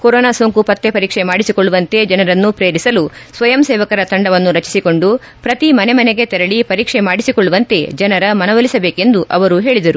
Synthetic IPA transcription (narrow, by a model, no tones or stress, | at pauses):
koɾɔːnaːsoːŋkupɐt̪ːepɐɾiːkʂemaːɽisikoɭːuʋɐnt̪e̞d͡ʒɐnɐɾɐnːupɾeːɾisɐlusʋɐjɐmseːʋɐkɐɾɐt̪ɐɳɖɐʋɐnːuɾɐt͡ʃi̥siko̞ɳɖu | pɾɐt̪imɐnemɐneɡe̞t̪ɛɾɐɭipɐɾiːkʂemaːɽisikoɭːuʋɐnt̪e̞d͡ʒɐnɐɾɐmɐnɐʋɐlisɐbeːke̞nd̪uʔɐʋɐɾuɦe̞ːɭid̪ɐɾu